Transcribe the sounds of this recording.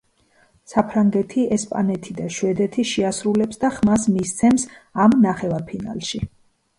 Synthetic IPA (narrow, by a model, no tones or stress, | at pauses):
sapʰɾaŋɡɛt̪ʰiɛspʼa̰nɛt̪ʰid̪aʃwɛd̪ɛt̪ʰiʃiasɾulɛpsd̪aχmasmist̪sʰɛmsamnaχɛvaɾpʰina̰lˠʃi